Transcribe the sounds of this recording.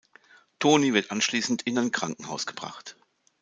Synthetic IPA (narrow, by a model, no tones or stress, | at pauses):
tʰoːnivɪɐtʔanʃliːsn̩tʰɪnaɪnkʁ̥aŋkŋ̩haʊsɡ̥əb̥ʁa̰χt